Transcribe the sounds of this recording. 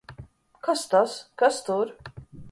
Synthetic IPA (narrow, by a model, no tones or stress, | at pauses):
kast̪askast̪uɾ